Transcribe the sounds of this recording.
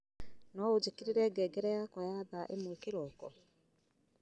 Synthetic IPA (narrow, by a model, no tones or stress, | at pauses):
nɔod͡ʑekeɾeɾɛɡɛɡɛɾɛjakɔjaðaʔemokeɾɔkɔ